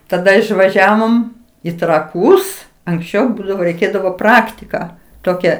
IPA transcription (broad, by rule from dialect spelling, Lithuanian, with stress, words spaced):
tɐˈdɐ ɪʃʋɐˈʒʲæːʋoːm ɪ trɐˈkuːs ɐŋksʲˈt͡ʃʲɛʊ ˈbuːdɐʋoː rʲɛɪˈkʲeːdɐʋoː ˈprɑːktʲɪkɑː ˈtoːkʲɛ